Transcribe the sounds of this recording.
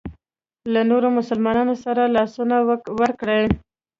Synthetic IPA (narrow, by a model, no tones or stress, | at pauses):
lanoɾomʊsəlmɑnɑnosaɾalɑsunawəɾkɽəj